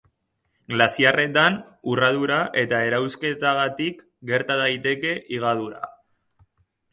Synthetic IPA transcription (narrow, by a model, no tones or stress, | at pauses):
ɡlasiare̞t̪an | urað̞uɾaʔe̞t̪ae̞ɾawske̞t̪aɣat̪ik | ɡe̞ɾt̪aðajt̪e̞ke̞ʔiɣ̞að̞uɾa̰